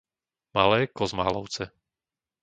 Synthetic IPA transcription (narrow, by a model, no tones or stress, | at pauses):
malɛːkɔzma̰ːlɔʊt͡sɛ